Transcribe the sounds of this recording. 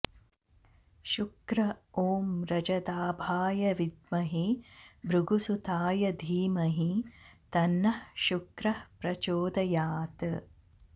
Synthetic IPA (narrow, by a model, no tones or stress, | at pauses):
ʃukɾɐoːmɾɐd͡ʒɐd̪aːbʱaːjɐʋid̪mɐɦibɾuɡusut̪aːjɐd̪ʱiːmɐɦit̪ɐnːɐhʃukɾɐhpɾɐt͡ʃoːd̪ɐjaːt̪ɨ